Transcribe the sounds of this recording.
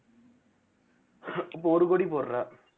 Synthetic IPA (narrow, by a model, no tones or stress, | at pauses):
p̬ːoːɾɯkoɽipoːɾraː